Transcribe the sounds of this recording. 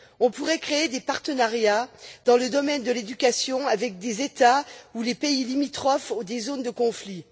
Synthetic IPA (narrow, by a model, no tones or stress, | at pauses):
ɔ̃puʁɛkχeːd̪epaʁt̪ənaʁjad̪ɑ̃ləd̪ɔmɛnd̪əled̪ykʲasjɔ̃avɛk̚d̪ezet̪aulepeilimit̪χɔfud̪ezond̪əkɔ̃fli